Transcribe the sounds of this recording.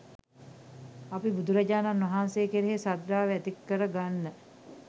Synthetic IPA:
apibud̪uɾaɟaːnanʋɐɦaːnseːkeɾeɦesad̪ɾaːʋæt̪ikːəɾəɡanːə

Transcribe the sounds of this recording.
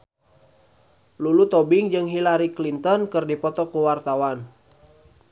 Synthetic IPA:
lulut̪ɔbiŋd͡ʒɨŋɦilaɾiklint̪ɔnkɨrdipɔt̪ɔkuwart̪awan

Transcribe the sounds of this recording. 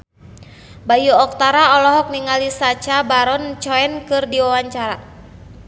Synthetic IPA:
bajuɔk̚t̪aɾaɔlɔɦɔk̚niŋalisat͡ʃabaɾɔnt͡ʃɔɛnkɨrdiwawaɲt͡ʃaɾa

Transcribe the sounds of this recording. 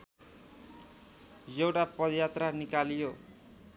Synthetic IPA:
jewʈapʌd̪jat̪ranikalijo

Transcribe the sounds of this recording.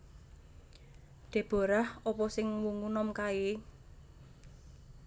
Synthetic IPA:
ɖ̪̥e̤b̥o̤ɾahɔpɔsɪŋwuŋunɔmkae

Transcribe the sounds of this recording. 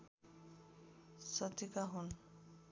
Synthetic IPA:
sɔt̪ikaɦun

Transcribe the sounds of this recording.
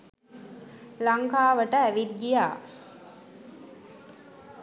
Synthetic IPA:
laŋkaːʋəʈəæʋit̪̚ɡijaː

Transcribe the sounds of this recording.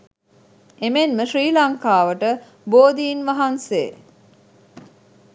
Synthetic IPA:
emenməʃriːlɐŋkaːʋəʈə | boːd̪iːnʋaɦansḛ

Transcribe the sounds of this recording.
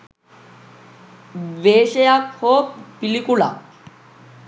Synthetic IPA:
ʋeɕejakhopilikula̰

